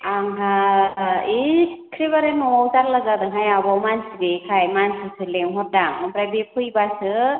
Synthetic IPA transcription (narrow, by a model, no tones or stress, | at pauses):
aŋɦa | ikʰɾiβaɾemɔwawzaɾlaɡadɯŋɦajabɔmansibekʰajmansɯsʰɯleŋɦɔt̚daŋɔmpɾajbepʰɯjbasɯ